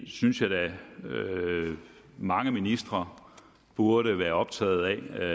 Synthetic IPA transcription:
synsjɑ̈ɪdæ | mɑ̈ŋəminisd̥ʁɐ | b̥uɐɾəʋæːɐɒ̽b̥̚t͡sʰɛ̰ːð̩ˠɛ

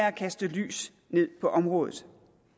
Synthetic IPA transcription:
ækʰæsd̥əly̰ːs | ne̝ð̞̰ˠpʰɒ̽ʔɒ̽mʁɔ̽ːðˠð̩ˠ

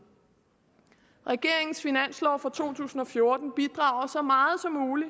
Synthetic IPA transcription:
ʁɛɡ̥e̝ɐ̰e̝ŋn̩sfinæn̰slɒːfʁɒt͡sʰo̝̰ːt͡sʰṵːsn̩ɒ̽fjo̝ɐd̥n̩b̥id̥ʁɑ̈ːʊɐsɒ̽mɑ̈ːð̞̩ˠsɒ̽mːuːli

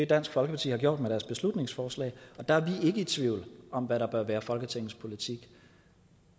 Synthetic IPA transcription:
ed̥æn̰sɡ̥fɒ̽lɡəpɑ̈t͡sʰḭːhɑ̈ɡ̥jo̝ɐ̰d̥meɾ̥æɐsb̥e̝slud̥ne̝ŋsfɒːslɛ̰ːɒ̽d̥ɑ̈æɐʋie̝ɡ̥əit͡sʰʋiʊ̰lɒ̽mʋæɾɑ̈b̥ɶɐʋæːɐfɒ̽lɡ̥ət͡sʰeŋn̩spʰo̝lit͡sʰiɡ̥

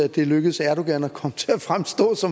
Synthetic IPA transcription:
æd̥e̝løɡ̥əð̩ˠsæɐɾ̥oɡ̥ænækʰɒ̽mət͡sʰe̝æfʁamsd̥ɔ̰̽ːsɒ̽m

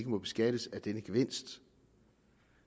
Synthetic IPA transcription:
ɡ̥əmɒ̽b̥e̝sɡ̥æd̥əsæd̥enəɡ̥eʋe̝n̰sd̥

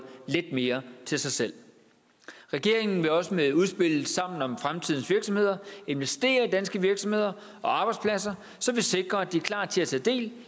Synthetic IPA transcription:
led̥̚me̝ːɐt͡sʰe̝lsɑ̈ɪsel̰ | ʁɛɡ̥e̝ɐ̰e̝ŋn̩ʋe̝ɒ̽səmeðˠuð̞ˠsb̥e̝l̰sɑ̈m̰n̩ɒ̽mfʁamt͡sʰið̞̰ˠn̩sʋiɐɡ̥sɒ̽mhe̝ð̰ˠɐe̝nʋesd̥e̝̰ːɐid̥ænsɡ̥əʋiɐɡ̥sɒ̽mhe̝ð̰ˠɐ | ɒ̽ɑ̈ːb̥ɑ̈ɪd̥spʰlæs̬ɐ | sɒ̽ʋe̝se̝ɡ̥ʁɐæd̥iæɐkʰl̥ɑ̰̥̈ːt͡sʰe̝æt͡sʰɛ̰ːd̥e̝̰ːl

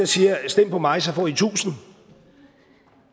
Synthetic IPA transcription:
ɐsiːɐsd̥em̰pʰɒ̽mɑ̈ɪsɐfɒːit͡sʰṵːsn̩

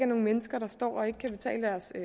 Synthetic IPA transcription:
æɐno̝ːŋ̩menəsɡ̥ɐɾ̥ɑ̈sd̥ɒ̰ːɒ̽e̝ɡ̥əkʰæb̥e̝t͡sʰɛ̰ːləd̥æɐs

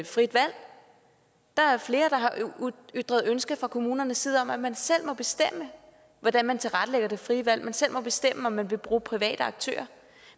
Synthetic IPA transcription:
fʁid̥ʋæl̰ | d̥ɑ̈æfle̝ːɐd̥ɑ̈ɦɑ̈ʔyd̥ʁɐð̞ˠønsɡ̥əfʁɑ̈kʰo̝muːnɐnəsːiːð̞ˠɒ̽mæmænsel̰mɒ̽b̥e̝sd̥em̰ə | ʋɒd̥ænmænt͡sʰe̝lʁad̥əleɡ̥ɐd̥e̝fʁiːəʋæl̰mænsel̰mɒ̽b̥e̝sd̥em̰əɒ̽mːænʋe̝b̥ʁuːpʰʁiʋɛ̰ːd̥əɑ̈ɡ̥̚t͡sʰø̰ːɐ

